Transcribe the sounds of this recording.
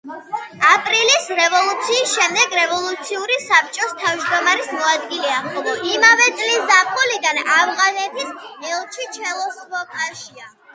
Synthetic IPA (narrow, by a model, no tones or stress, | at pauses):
apʼɾilisɾɛvɔlˠut̪sʰiːsʃɛmd̪ɛɡɾɛvɔlˠut̪sʰiuɾisap̚t͡ʃʼɔst̪ʰavd͡ʒd̪ɔmaɾismɔad̪ɡilɛaχɔimavɛt̪sʼlisapʼuliɡ̪anavʁanɛt̪ʰisɛlˠt͡ʃʰit͡ʃʰɛlˠɔsvɔkʼaʃia